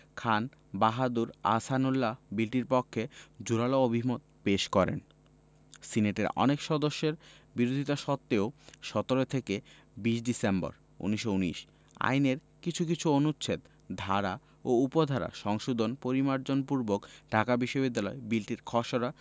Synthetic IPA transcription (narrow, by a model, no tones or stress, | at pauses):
kʰan | baɦad̪uɾa̰sanulːabilʈiɾpɔkʰːed͡ʑuɾaloobʱimot̪̚ | peʃkɔɾḛn | sineʈḛɾɔ̰nekʃɔd̪oʃːeɾ | biɾod̪ʱit̪aʃɔt̪ːeoʃɔt̪oɾet̪ʰeke | biʃɖisembɔ̰ɾ | ṵniʃouniʃ | a̰jneɾ | kit͡ɕʰuk̬it͡ɕʰuonuɕʰet̪ | d̪ʱaɾa | oupod̪ʱaɾa̰ʃɔŋʃod̪ʱonpoɾimaɾd͡ʑonpuɾbokɖʱakabiʃːobid̪ːalɔebilʈiɾkʰɔʃoɾa